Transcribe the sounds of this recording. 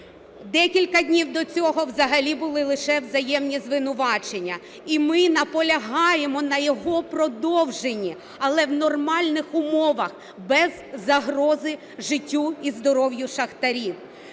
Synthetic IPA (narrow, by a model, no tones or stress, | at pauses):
d̪ɛkʲilʲkɐdʲnʲiwd̪ɔt͡sʲɔɦɔʋzɐɦɐlʲibʊlˠɪlˠɪʃɛwzɐjɛmnʲizʋɪnʊʋɑt͡ʃenʲːɐ | imɪnɐpɔlʲɐɦɑjemɔnɐjɔɦɔpɾɔd̪ɔwʒenʲːi | ɐlˠɛwnɔrmɑlʲnɪxʊmɔʋɐx | bɛzːɐɦrɔzɪ | ʒɪtʲːuizd̪ɔɾɔwjʊʃɐxt̪ɐɾʲiw